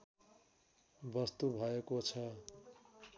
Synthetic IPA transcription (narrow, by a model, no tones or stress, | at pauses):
bʌst̪ubʱʌjekot͡sʰʌ